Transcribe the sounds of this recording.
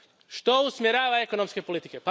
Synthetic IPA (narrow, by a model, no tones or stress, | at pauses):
ʃt̪ousmjeɾaːʋaeko̞nomske̞polit̪ikepa